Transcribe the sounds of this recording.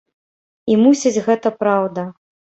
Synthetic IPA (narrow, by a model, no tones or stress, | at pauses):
imusʲid͡zʲɣɛt̪ɐpɾawd̪ɐ